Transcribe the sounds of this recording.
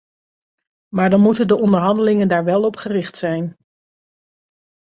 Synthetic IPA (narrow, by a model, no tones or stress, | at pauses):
maːɹdɑnmutəndəʔɔndəɹɦɑndəlɪŋəndaːɹʋɛlˠɔpχərɪχtsɛjn